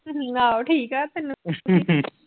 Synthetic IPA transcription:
aoʈʰiːkat̪enː

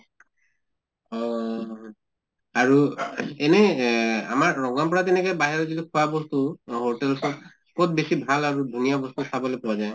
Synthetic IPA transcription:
ɔ | aɹuɛnɛa̰maɹːɔŋɡampɔɹatɛnɛkɛjbaɦɛɹɔzilikʰuwabɔstuɦoɹtɛlsɔt | kɔt̚besibʱalaɹudʱunijabɔstusabɔlɛpɔwazaj

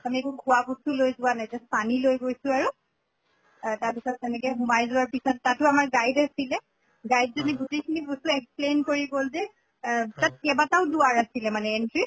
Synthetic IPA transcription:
amiekuɡʱʊwabusulojzʊwanajtɛspanilojɡojsʊ̃aɹu | taɹpisɔtzɛnɛkɛɦumajzʊwaɹpisɔtːatʊamaɹɡajdasilɛ | ɡajdzɔniɡutejkʰinibɔsuɛksplenkoɹiɡolzɛ | tat̚kɛbataʊduwaɹasilɛmanɛːntɹi

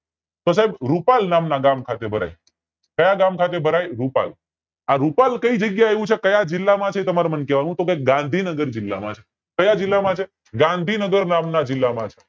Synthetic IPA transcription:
t̪os̬aɦebɾupalnamnaɡamkʰat̪ebʱəɾa̰j | kəjaɡamkʰat̪̬ebʱəɾajɾupa̰l | aɾupalkəid͡ʒəɡjaeʋũt͡ʃʰekəjad͡ʒɪlːamãt͡ʃʰet̪əmaɾamənkɛʋanũt̪okeɡãnd̪ʱinəɡəɾd͡ʒɪlːamãt͡ʃʰe̥ | kəjad͡ʒɪlːamãt͡ʃʰe | ɡãnd̪ʱinəɡəɾnamnad͡ʒɪlːamãt͡ʃʰe̥

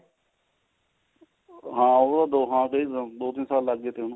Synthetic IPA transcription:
ɦãːoːd̪aːd̪oːɦãːkəiːd̪oːt̪iːnsaːlːəɡːeːt̪eɦʊnː

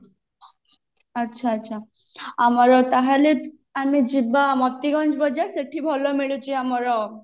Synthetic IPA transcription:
ətːʃʰatːʃʰaamɔɾɔt̪aɦale | amid͡ʒibamɔt̪ːiɡɔnd͡ʒbɔd͡ʒaseʈʰibʱɔlomiɭut͡ʃʰiamɔɾɔ

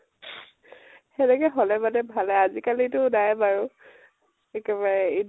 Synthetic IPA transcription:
xɛnɛkɛɦɔlɛbalɛbʱalɛazikalitʊnajbaɹu | ɛkɛbaɹɛi

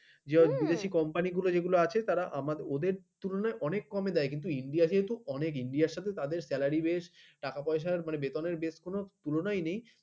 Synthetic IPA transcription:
d͡ʑebid̪eʃikɔmpaniɡulod͡ʑeɡuloat͡ɕʰet̪aɾaʔamad̪od̪eɾt̪ulonaeʔɔnekːɔmed̪ɛekint̪̬uiɳɖijaʃeɦet̪uɔnek̬iɳɖijaɾʃat̪ʰet̪ad̪eɾsɛlaɾibeʃʈakapɔeʃ̬aɾmanebet̪oneɾbeʃkonot̪ulonajnej

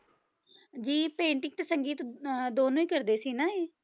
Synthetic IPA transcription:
d͡ʒiːpẽːɳʈɪŋt̪esəŋɡiːt̪d̪oːnũːiːkəɾd̪eːsiːnaːeː

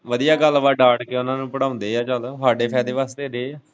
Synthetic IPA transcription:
ʋəd̪ijaːɡəlʋaːɖaːʈkeːʊnãːnũːpəɽãːʊ̃nd̪eːaːt͡ʃəlaːɖeːpʰɛːd̪eːʋaːst̪eːɾeː

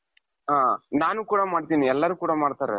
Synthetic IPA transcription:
ɦaːnaːnukuːɽɐmaːɽt̪iːniɛlːɐɾuːkuːɽɐmaːɽt̪aːɾḛ

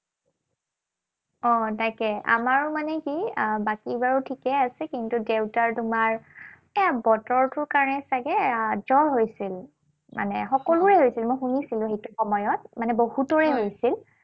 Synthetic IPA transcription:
ɔ̃tajkɛʔa̰maɹʊmanɛkibakiɹbaɹutʰikɛasɛkintudeʊtaɹtumaɹ | ɛabɔtɔɹtʊɹkaɹɔnɛsaɡɛd͡ʒɔɹɦojsil | ma̰nɛxɔkɔlʊɹɛɦojsilmojxunisilʊ̃xejtʊxɔmɔjɔt̚manɛbohutɔɹɛɦojsil

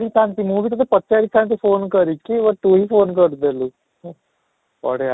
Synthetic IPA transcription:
ɾit̪ʰãnt̪imũːbʱit̪ət̪ʰəpət̪̚ːt͡ʃaɾiːt̪ʰãnt̪ifonkəɾikiʋət̪uɦiːfoːnkəɾd̪eluː | ɔ̰ɽea

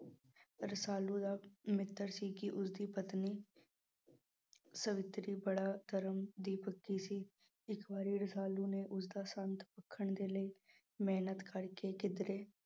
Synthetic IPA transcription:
ɾəsaːlũːd̪aːmɪt̪ːəɾsiːkiːʔʊsd̪iːpət̪niː | səʋɪt̪ɾiːbəɽaːt̪əɾəmd̪iːpəkːiːsiː | ɪkbaːɾiːɾəsaːlũːneːʔʊsd̪aːsə̃nt̪pəkʰːəɳ̃d̪eːləiː | meːnət̪kəɽkekɪd̪ɾeː

